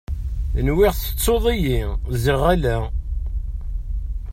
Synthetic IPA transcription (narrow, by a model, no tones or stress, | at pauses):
nwɪʁθə̥t͡sˤːoðˤijiziʁælæ